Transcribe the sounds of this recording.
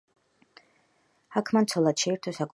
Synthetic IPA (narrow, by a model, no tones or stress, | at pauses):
akʰmant̪sʰɔlˠad̪ʃɛiɾt̪ʰɔsakʼ